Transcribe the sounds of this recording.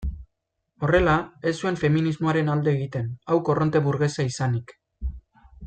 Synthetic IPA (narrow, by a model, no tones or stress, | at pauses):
o̞re̞lae̞sue̞ɱfe̞minizmo̞aɾe̞nald̪e̞ːɣ̞it̪e̞nawko̞rʔont̪e̞βuɾɣe̞saisanik